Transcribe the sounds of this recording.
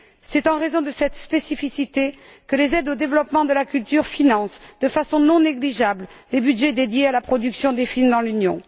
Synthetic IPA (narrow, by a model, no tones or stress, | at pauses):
sɛt̪ɑ̃ʁezɔ̃d̪əsɛt̪spesifisit̪ekəlezɛd̪od̪evlɔpmɑ̃d̪əlakʲylt̪yʁfinɑ̃sd̪əfasɔ̃nɔ̃neɡliʒabl | lebyd̪ʒed̪ed̪jealapχɔd̪yksjɔ̃d̪efilmd̪ɑ̃lynjɔ̰̃